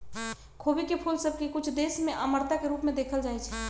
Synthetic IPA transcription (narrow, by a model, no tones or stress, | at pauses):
kʰobikepʰulsəb̚ʱkekut͡ʃʰd̪esmeʔəməɾt̪akeɾupmed̪ekʰəld͡ʒajt͡ʃʰɛ